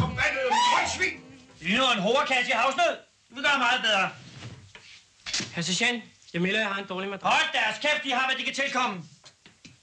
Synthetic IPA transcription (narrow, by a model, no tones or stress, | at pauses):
mænɔɪsʋiːdynoenɦoːɐkʰæsihɑ̈ʊsnøð̰ˠ | diʋeɡɶːmɑ̈ːð̩ˠbeð̞ˠʁɐ | hæɐs̬əɕænjɑmelɐjähɑ̈e̝nd̥ɒːlimæd̥ʁɒld̥æɐskʰefd̥iɦɑ̈ʋæd̥ikʰæt͡sʰe̝lkʰɒ̽m̰ə